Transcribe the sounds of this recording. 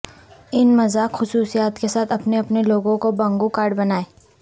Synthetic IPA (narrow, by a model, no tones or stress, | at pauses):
ɪnmɐzaːkxʊsuːsijaːt̪kesaːt̪ʰɐpneɐpneloːɡõkobɐ̃ŋɡukaːɾɖbɐnaːeː